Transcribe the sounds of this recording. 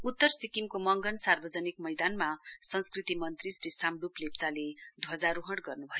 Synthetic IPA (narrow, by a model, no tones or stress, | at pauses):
ut̪ːʌrsikimkomʌŋɡʌnsarbʌd͡zʌnik̚mʌjd̪anmasʌnskrit̪imʌnt̪risʈisamɖuplep̚t͡saled̪ʱʌd͡zaɾuɦʌɽɡʌrnubʱʌjo